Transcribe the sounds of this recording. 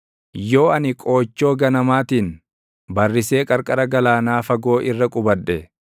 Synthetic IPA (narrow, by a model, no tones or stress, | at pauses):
jo̞ːɐnɪkʼo̞ːt͡ʃːoːɡɐnɐmaːt̪iːn | bɐrːɪse̞ːkʼɐɾkʼɐɾɐɡɐlaːnaːfɐɡo̞ːʔɪrːɐkʼʊbɐᶑɛ